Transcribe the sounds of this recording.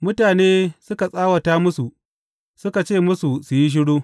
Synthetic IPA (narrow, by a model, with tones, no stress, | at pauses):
mʊ˦taː˨neː˦sʊ˦ka˨sʼaː˦wɐ˨taː˦mʊ˦su˨ | sʊ˦ka˨t͡ʃeː˦˨mʊ˦su˨sʊ˨ji˦ʃ̬ɪ˦ɽoː˦